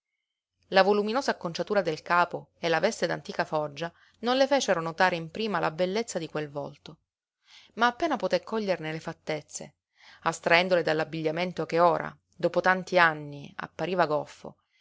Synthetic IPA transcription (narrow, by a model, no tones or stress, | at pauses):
lavoluminoːzaːkːont͡ʃat̪uːɾad̪elkaːpoelavɛst̪ed̪a̰nt̪iːkafɔd͡ʒːa | nonlefɛːt͡ʃeɾonot̪aːɾeimpɾiːmalabelːet̪sːad̪ikwelvɔ̰lt̪o | maːpːeːnapot̪ekʰːɔʎːernelefat̪ːet̪sːḛ | ast̪ɾaɛnd̪oled̪alːabːiʎːament̪okeoːɾʔa̰ | d̪oːpot̪ant̪ianːia̰pːaɾiːvaɡɔfːo̰